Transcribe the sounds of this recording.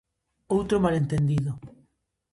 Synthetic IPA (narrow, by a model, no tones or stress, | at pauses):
owt̪ɾomalẽnt̪end̪iðo